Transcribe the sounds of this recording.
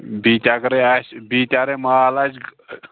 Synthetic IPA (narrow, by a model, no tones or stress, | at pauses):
bit̪ʲakɾeasbit̪ʲaɾemaalat͡ʃɡ